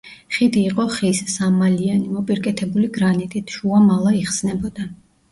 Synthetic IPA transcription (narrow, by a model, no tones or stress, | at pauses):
χid̪iːqʼɔχissamalianimɔpʼiɾkʼɛt̪ʰɛbuliɡɾanit̪ʼit̪ʰʃuamalˠaiχsnɛbɔd̪̥a